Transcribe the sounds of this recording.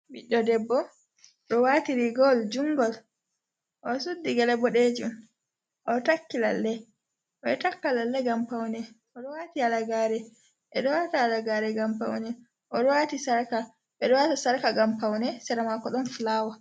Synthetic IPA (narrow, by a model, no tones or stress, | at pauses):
biɗːɔdɛbːɔ | ɗɔwatiɾiɡɔld͡ʒuŋɡɔl | ʔɔsudːiɡɛlɛbɔɗed͡ʒum | ʔɔtakːila̰lːɛ | ʔɔɛtakːalalːɛɡampawnɛ | ɔɗɔwatialaɡaːɾɛ | ʔɛɗɔwataːlaɡaːɾɛɡampa̰wnɛ | ʔɔɗɔwatisaɾka | ɓɛɗɔwatasaɾkaɡampawnɛsɛɾamakɔɗɔnflaːwa